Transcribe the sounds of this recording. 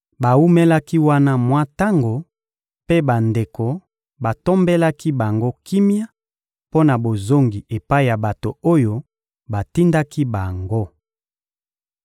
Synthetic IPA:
ba˨wu˦me˦la˦ki˦wa˦na˦mwa˦ta˦ŋɡo˨ | pe˦ba˨nde˨ko˨ | ba˨to˦mbe˦la˦ki˦ba˨ŋɡo˦ki˦mja˦ | po˦na˨bo˨zo˦ŋɡi˨e˨pa˦i˨ja˨ba˨to˨o˦jo˦ | ba˨ti˦nda˦ki˦ba˨ŋɡo˦

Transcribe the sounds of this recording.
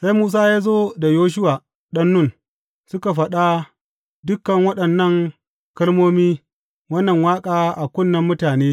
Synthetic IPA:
sa˦jmuː˦s̬aː˦jaː˦zoː˦da˨joː˦ʃ̬ʊ˦wa˨ | ɗɐ˦nːʊ˦˨n | sʊ˦ka˨ɸɐ˨ɗa˦ | dʊ˦kːɐ˨ŋwɐ˦ɗɐ˨nːɐ˦˨ŋ | kɐ˦lmoː˦miː˦ | wɐ˦nːɐ˨ŋwaː˦kʼaː˦ʔa˨kʷʊ˦˨nːɐ˦mːʊ˦taː˨neː˦

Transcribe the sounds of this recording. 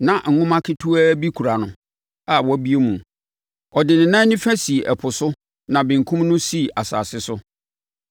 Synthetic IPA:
nã˨ŋ̩˨ŋʊ̃˦mã˦kʰɪ˦tʰu˦æ˦bi˦kʰu˨ɾa˨nʊ̃˨ | a˦wɔ˦bi˦e˦mũ˨ | ɔ˨dɪ˨nɪ̃˨nã˦nɪ̃˦fæ˦si˨ʔɛ˨pʰʊ˨sʊ˦ | nã˨bɪ̃˨ŋ̩˨kʰũ˦mnʊ̃˦si˦˨ʔa˨sa̰ː˨sɪ˦sʊ˦

